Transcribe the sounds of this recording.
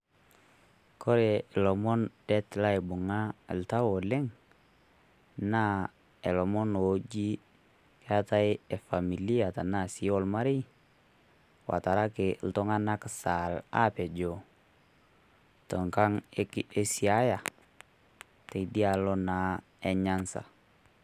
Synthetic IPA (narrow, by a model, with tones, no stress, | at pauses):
kʰɔ˦ɾɛ˨lɔ˨mɔ˦ndɛ˦tla˦ɪ˨bʊ˨ŋa˦˨lta˦wo˨lɛ˦ŋ | na˦ | e˨lɔ˨mɔ˦no˨d͡ʒi˦ | ke˦a˦ta˦je˨fa˨mi˨li˦a˨ta˨na˦˨si˦ɔ˦lma˦ɾi˦ | wa̰˨ta˨ɾa˦kɪ˨ltɔ˦ŋa˦na˦ksa˨la̰˦pɛ˨d͡ʒo˨ | tɔ˨ŋka˦ŋke˦si˨a˦ja˨ | te˨di˦a˨lɔ˦na˨˦ | e˨ɲa˦nsa̰˨